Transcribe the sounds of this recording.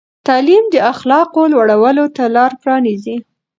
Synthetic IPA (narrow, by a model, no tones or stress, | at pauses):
t̪ɑlimd̪əaxlɑqolwaɽawəlot̪alɑɾpɾɑnizi